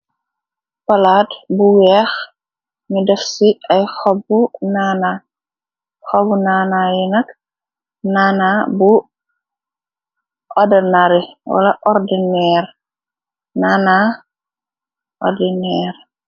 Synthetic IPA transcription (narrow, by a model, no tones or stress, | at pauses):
pɐlaːtbuwɛːx | midɛfsiɐjxɔbːunaːna | xɔbunaːnaːjɛnɐk | naːnabu | ʔɔdɐnaɾiwɐ̰lɐ̰ʔɔrdinɛːr | naːna | ʔɔ̰rdinɛːr